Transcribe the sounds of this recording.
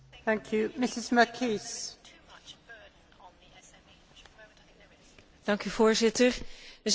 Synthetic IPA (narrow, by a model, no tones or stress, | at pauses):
θæ̃ŋkʰjʉmɪsɪzməkʰis | d̥ɑŋkyvoːɹzɪtəɹʋəz